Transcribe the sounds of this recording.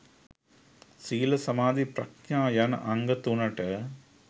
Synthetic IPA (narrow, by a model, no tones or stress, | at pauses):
siːlɐsɐmaːd̪ipɾɐkɲaːjɐnʔɐŋɡɐt̪unɐʈɐ